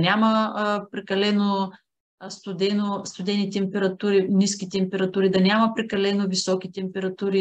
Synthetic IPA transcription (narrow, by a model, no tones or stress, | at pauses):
nʲaməpɾɛkɐlɛno | st̪ʊd̪ɛnost̪ʊd̪ɛnit̪ɛmpɛɾɐt̪uɾiniskit̪ɛmpɛɾɐt̪uɾid̪ɐnʲamɐpɾɛkɐlɛnovisɔkit̪ɛmpɛɾɐt̪uɾi